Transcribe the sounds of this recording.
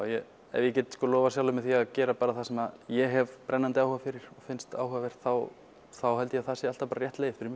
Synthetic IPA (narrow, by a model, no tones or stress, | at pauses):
ajɛ | ɛ̰vjɛcɛːt̪skɔlɔːvasjaːwlʏmɛɪðθiaðcɛːɾapaːɾaθasɛmaðjɛɦɛvpɾʔɛnːant̪ɪawhʏːvafɪɾɪɾ̥ɔɣfɪnst̪a̰ːwhʏːvavɛɾ̥t̪θaw | θawhɛlt̪ɪjɛaθasɪalt̪avpaːɾaɾjɛht̪leːjɪ̥fɪɾɪɾmj